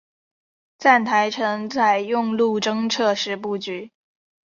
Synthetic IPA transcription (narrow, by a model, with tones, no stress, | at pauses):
t͡sa˥˩nt̪ʰa˧˥ɪʈ͡ʂʰɤ˧˥ŋt͡sʰa˥˩ɪjʊ˥˧ŋlu˥˧ʈ͡ʂɤ˥ŋʈ͡ʂʰɤ˥˧ʂɻ̩˥˧p̬u˥˩t͡ɕy˧˥